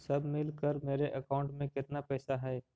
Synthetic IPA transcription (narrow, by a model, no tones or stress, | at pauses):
sɐbʱmɪlkəɾmeːɾeʔɐkaːʊ̃ɳʈmẽkɪt̪napɛːsaɦɛː